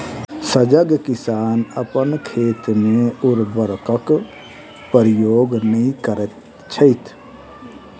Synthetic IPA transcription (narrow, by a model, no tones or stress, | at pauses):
səd͡ʒəɡkɪsaːnəpənkʰeːt̪mẽʊɾbəɾkək | pəɾɪjoːɡnəɦĩkəɾət̪ | t͡ʃʰəɪt̪ʰ